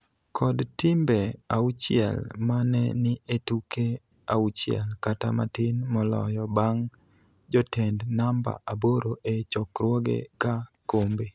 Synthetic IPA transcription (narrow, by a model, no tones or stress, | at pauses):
kʰɔdtimbeaut͡ʃɪɛ̰lmanɛ̰nɪetuke | a̰ut͡ʃɪɛ̰lkata̰ma̰tɪnmɔlɔ̰jɔbaŋ | d͡ʒɔtɛndnamba̰ʔaboɾoʔet͡ʃɔkɾwɔɡḛkakombe